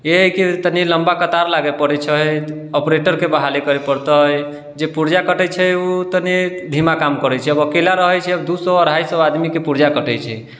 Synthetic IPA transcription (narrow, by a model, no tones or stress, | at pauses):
eɦkit̪əniləmbakət̪aɾlaɡepəɽɛt͡ʃʰə | ɔpɾeʈəɾkebəɦalekəɾɛpəɾt̪əj | d͡ʒepuɾd͡ʒakəʈɛt͡ʃʰɛut̪ənid̪ʱimakamkəɾɛt͡ʃʰɛəbəkelaɾəɦɛjt͡ʃʰɛəbd̪usɔəɾɦajsəbad̪mikepuɾd͡ʒakəʈɛjt͡ʃʰɛ